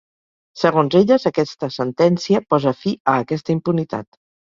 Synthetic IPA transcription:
səɣonzeʎəzəkɛst̪əsənt̪ɛnsiəpɔzəfiəːkɛst̪əimpunit̪a̰t̪

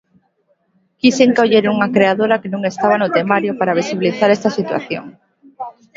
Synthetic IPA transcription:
kiseŋkawʎeɾuŋakɾeaðoɾakenũŋest̪aβ̞anʊt̪emaɾjopaɾaβ̞isiβiliθaɾest̪asit̪wa̰θjo̰ŋ

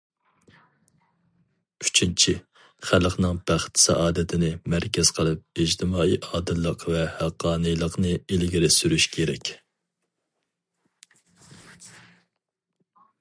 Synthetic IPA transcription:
yt͡ʃʰint͡ʃʰi | χælˠəqnɨŋb̥æχt̪sɛ̰ʔɑːd̪ɛt̪ʰɪnɪmæɾkʲʰɛz̥qʰəlˠɨp̚ed͡ʒt̪ʰɪmɑːiːʔɑːd̪ɨlˠːəqvɛhæqːɑːnɨjlˠəqnɨelɡʲiɾɪsyɾyʃkʲʰeɾɛ̰kʲ

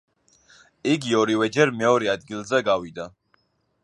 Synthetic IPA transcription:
iɡiɔɾivɛd͡ʒɛɾmɛɔɾɛad̪ɡilˠzɛɡavid̪a

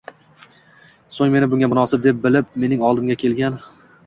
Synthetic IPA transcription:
soŋme̞nɪbʊŋɡʲamʊnɒsɪp̚d̪ep̚bɪlɪp̚me̞nɪŋɒlˠd̪ɪmɡʲakʲʰe̞lɡʲan

